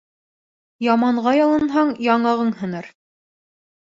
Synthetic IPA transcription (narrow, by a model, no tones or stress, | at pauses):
jɑmɑɴʁɑjɑlˠɤ̆nɦɑɴjɑɴɑʁɤɴhɤ̆nɤɾ